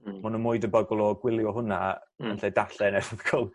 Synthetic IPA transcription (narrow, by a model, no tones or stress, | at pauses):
manunmʊɨdəbəɡɔlˠɔɡwɪlˠjɔɦʊnamanɬedaɬɛnɛvəðkʰɔlˠ